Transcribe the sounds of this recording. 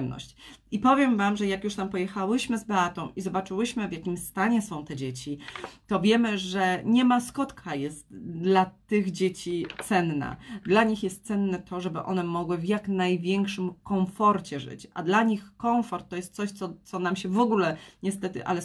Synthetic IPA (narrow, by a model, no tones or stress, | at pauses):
mnɔ̰ɕt͡ɕipɔvʲjɛmvamʐɛjakjuʂt̪ampɔjɛxawɘɕmɘzbɛat̪ɔ̃w̃ʔizɔbat͡ʂɘwɘɕmɘvʲjakʲimst̪aɲɛsɔ̃w̃t̪ɛd͡ʑet͡ɕit̪ɔvʲjɛmɘʐɛɲɛmaskɔt̪kʰajɛst̪d̪lat̪ɘɣd͡ʑet͡ɕit̪sɛnːa̰d̪laɲixjɛst̪̚sɛnːɛt̪ʰɔʐɛbɘʔɔ̰nɛmɔɡwɘvjaknajvʲjɛŋkʂɘmkɔwfɔɾt͡ɕɛʐɘ̰t͡ɕʔa̰d̪laɲixkɔwfɔɾt̪ːɔjɛst̪t̪sɔɕt̪sɔt̪sɔnamɕɛvɔɡulɛɲɛst̪ɛt̪ɘ̰ʔa̰lɛ